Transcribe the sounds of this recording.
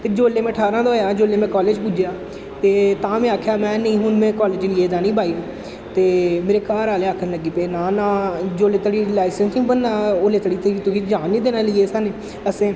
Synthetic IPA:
t̪eːd͡ʒoːleːmẽːʈʰaːɾãːd̪oːjaːd͡ʒoːleːmɛ̃ːkɔːleːd͡ʒpud͡ʒjaː | t̪eːt̪ãːmẽːaːkʰjaːmɛ̃ːnəĩːɦʊnmɛ̃ːkɔːleːd͡ʒlieːd͡ʒ̪aːnĩːbaːiːõː | t̪eːmeːɾeːkaːɾaːleaːkʰənləɡiːpeːnaːnãːd͡ʒoːleːt̪əɽiːlaːɪsə̃nsĩːbənːaːoːleːt̪əɽiːt̪eiːt̪ʊɡiːd͡ʒaːnːiːd̪eːnaːliːeːsaːneː | əsẽː

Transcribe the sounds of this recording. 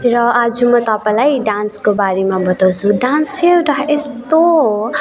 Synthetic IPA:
rʌad͡zumʌt̪ʌpãlajɖanskobaɾemabʌt̪awt͡sʰuɖansewʈ̪aest̪o

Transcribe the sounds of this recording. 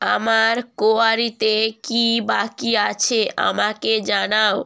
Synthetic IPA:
amaɾkoaɾit̪ekibakiat͡ɕʰeʔa̰maked͡ʑanao

